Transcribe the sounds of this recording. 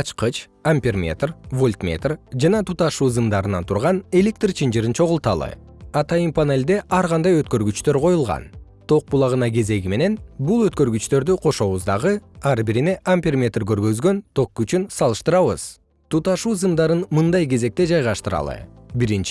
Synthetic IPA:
ɑt͡ʃqɯt͡ʃamʲpʲermʲe̞̰t̪rvo̞lʲt̪mʲḛt̪rd͡ʒɑnɑt̪ʰut̪ɑʃuːzɨmd̪ɑɾɯnɑnt̪ʰuɾʁɑne̞lʲe̞k̚t̪rt͡ʃʰind͡ʒɯɾint͡ʃʰo̞ʁulˠt̪ɑ̰lˠɯ̰ | ɑt̪ɑjɯmpʰane̞lʲd̪e̞ʔɑɾʁɑnd̪ɑjøt̪̚kø̞ɾɡyt͡ʃt̪ø̞ɾqʰo̞julˠʁɑ̰n | t̪ʰo̞q̚bulˠɑʁɯnɑɡe̞ze̞ɡime̞ne̞nbulˠøt̪kø̞ɾɡyt͡ʃt̪ø̞ɾd̪yqʰo̞ʃo̞βuzd̪ɑʁɯɑɾbiɾine̞ʔampʲermʲe̞t̪rɡø̞ɾɡø̞zɡø̞nt̪ʰo̞kːyt͡ʃynsɑlˠɯʃt̪ɯɾɑβɯ̰z̥ | t̪ʰut̪ɑʃuːzɨmd̪ɑɾɯnmɯnd̪ɑjke̞ze̞k̚t̪e̞d͡ʒɑjʁɑʃt̪ɯɾɑ̰lˠɯ̰biɾint͡ʃ

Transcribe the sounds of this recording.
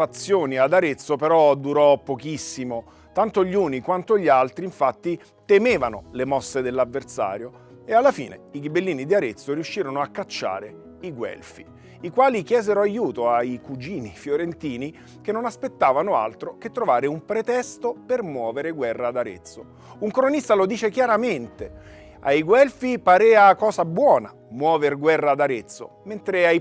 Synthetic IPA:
at̪sːjoːniad̪aɾet̪sːopeɾɔd̪uɾɔpːokisːimo | t̪ant̪oʎuːnikwant̪oʎːalt̪ɾiiɱfat̪ːi | t̪emeːvanolemɔsːed̪elːavːersa̰ːɾjo | ealːafḭːnḛiɡibelːiːnid̪iaɾet̪sːoɾiuʃːiːɾonoakːat͡ʃːa̰ːɾe | iɡwɛ̰lfi | ikwaːlik̟jɛːzeɾoajuːt̪oaikud͡ʒiːnifjoɾent̪iːni | kenːonaspet̪ːaːvanoa̰lt̪ɾoket̪ːɾovaːɾeumpɾet̪ɛst̪opermwɔːveɾeɡwɛrːaːd̪aɾḛt̪sːo | uŋkɾonist̪alod̪iːt͡ʃekjaɾament̪e | a̰jɡwɛlfipaɾɛːakɔːsabwɔːna | mwɔːverɡwɛrːaːd̪aɾet̪sːo̰ | ment̪ɾeaj

